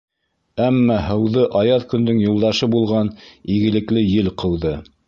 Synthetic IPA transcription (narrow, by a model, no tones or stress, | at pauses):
æmːɑhɤ̆wðɤʔɑjɑðkɵ̆nd̪ɵŋjulˠd̪ɑʃɤbulˠʁɑniɡɘ̆lɘ̆klɘjɘlqɤ̆wðɤ